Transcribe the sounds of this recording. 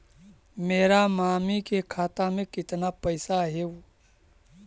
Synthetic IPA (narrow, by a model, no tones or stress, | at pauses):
meːɾamaːmikekʰaːt̪amẽkɪt̪napəɪsaɦeu